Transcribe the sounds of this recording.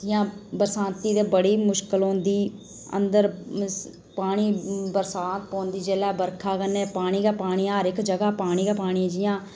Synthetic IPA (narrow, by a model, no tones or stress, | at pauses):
ɪjãːbəɾsãːnt̪iːd̪eːbəɽiːmʊʃkəlõːnd̪iː | ə̰nd̪əɾ | paːɽ̃iːbəɾsaːt̪̚põːnd̪iːd͡ʒeːlɛːbəɾkʰaːkənːeːpaːɽ̃iːɡaːpaːɽ̃iːãːɾɪkd͡ʒəɡaːpaːɽ̃iːɡaːpaːɽ̃iãd͡ʒɪjãː